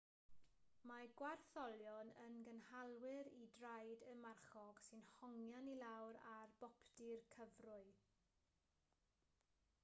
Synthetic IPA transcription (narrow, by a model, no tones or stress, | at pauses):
maɡ̥warθɔlˠjɔnənɡənhalˠwɪɾidrajdəmarχɔɡ̥sɨnhɔŋjanilawɾarb̥ɔpʰdirkʰəvrʊɨ